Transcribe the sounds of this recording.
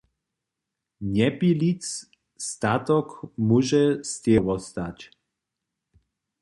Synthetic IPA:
ɲɛpilit͡s | st̪at̪ɔkmuʒɛst̪ʲɛvɔst̪ac

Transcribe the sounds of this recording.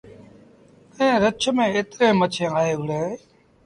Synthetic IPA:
ẽːɾət͡ʃʰmẽːeːt̪ɾẽːmət͡ʃʰẽːaːɦeːʊɽeː

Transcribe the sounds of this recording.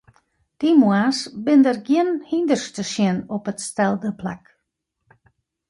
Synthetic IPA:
d̥imwasbɪndərɡiənhindərstəsɪənɔpətstɛlˠdəpla̰k

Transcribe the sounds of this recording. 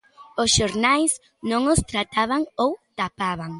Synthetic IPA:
ʊsʃoɾnajs | nõŋʊst̪ɾat̪aβaŋowt̪apaβaŋ

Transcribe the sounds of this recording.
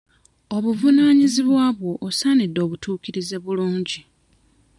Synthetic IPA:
o̞βuvunaːɲiziβwaːβwo̞ʔːsanidːo̞ːβutʰuːkiɾize̞βuluːɲɟi

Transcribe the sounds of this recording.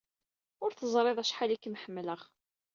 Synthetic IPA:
ʊɾθəzˤɾˤeðˤæʃħalikːmħəmːləʁ

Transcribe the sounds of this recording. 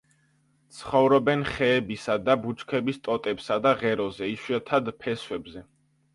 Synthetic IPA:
t̪sʰχɔvɾɔbɛnχɛːbisad̪abut͡ʃʼkʰɛbist̪ʼɔt̪ʼɛpsad̪aʁɛɾɔzɛiʃiɛt̪ʰad̪pʰɛswɛbzɛ

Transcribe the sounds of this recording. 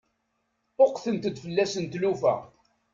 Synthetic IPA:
ʊqθənt̪əd̪fəlːæsənt̪lufæ̰ʁ

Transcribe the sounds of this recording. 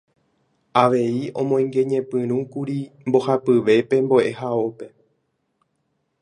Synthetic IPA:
aʋe̞iõ̞mõ̞ĩŋɡe̞ɲẽ̞pɨ̃ɾ̃ũkuɾimbo̞hapɨʋe̞pe̞mboʔe̞hao̞pe̞

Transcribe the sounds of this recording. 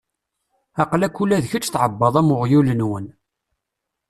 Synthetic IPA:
ɑqlækːulːæðçət͡ʃːθʕəbːɑðˤæmʊʁjulənwən

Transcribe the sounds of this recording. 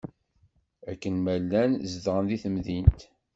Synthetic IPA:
ækːənmælːænzðʁənðiθəmðint̪

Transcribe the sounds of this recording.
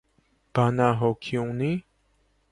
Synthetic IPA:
panãɦokʰiũŋni

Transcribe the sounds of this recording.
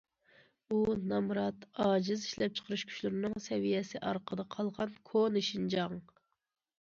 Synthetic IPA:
unɑmɾɑt̪ɑːd͡ʒiziʃlɛp̚t͡ʃʰə̥qʰəɾyʃkʲʰy̥ʃlyɾɪnɨŋsɛvijɛsɪʔɑ̰ɾqʰəd̪ɑqʰɑlˠʁɑnkʰonɨʃind͡ʒɑŋ

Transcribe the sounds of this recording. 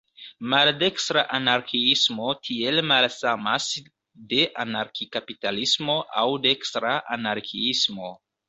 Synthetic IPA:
malde̞kstɾaʔanaɾkʰiismo̞tʰie̞lmalsamas | de̞ʔanaɾkikapitalismo̞ʔawde̞kstɾaʔanaɾkʰiismo̞

